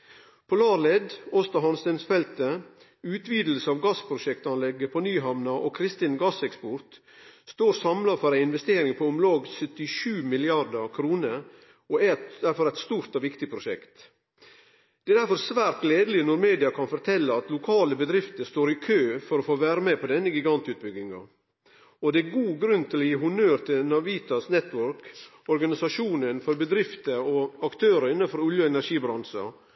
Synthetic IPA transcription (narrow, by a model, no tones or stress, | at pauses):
pʰɔlɑːɾlɛd̪ɔst̪ɑɦɑnst̪ɛnsfɛlt̪ə | ʉːt̪ʰʋiːd̪l̩səɑʋɡɑspʰɾʊʃɛkt̪ɑnlɛɡːəpʰonyːɦɑmnɑʔoːkʰɾɪst̪ɪnɡɑsɛkspɔɾt̪ | st̪oːɾsɑmlɑfɔɾæɪɪnʋɛst̪eːɾɪŋpʰɔʊmlɑːɡsœt̪ɪʃʉːmɪlɪɑd̪əkʰɾuːnəɾ | oæd̪æɾfɔɾæɪt̪st̪uːɾt̪ɔːʋɪkt̪ɪpʰɾʊʃɛkt̪ | d̪ɛæɾd̪æɾfɔɾsʋæːɾt̪leːd̪əlɪnɔɾmeːd̪ɪɑkʰɑnfɔɾt̪ʰɛlːəɑt̪lʊkʰɑːləbəd̪ɾɪft̪əst̪oːɾɪkʰøːfɔɾɔfoːʋæːɾəmɛpʰɔd̪ɛnːəɡɪɡɑnt̪ʉːt̪̚bʏɡɪŋɑ̰ | ɔd̪ɛæɡuːɡɾʉnt̪ʰɪlɔjiːɦʊnøːɾt̪ʰɪlnɑʋiːt̪ɑsnɛt̪ːʋœɾk | ɔɾɡɑnɪsɑʂuːnənfɔɾbəd̪ɾɪft̪əɾɔɑkt̪ʰøːɾəɪnːɑnfɔɾʊljəɛnæɾʂiːbɾɑnsɑ̰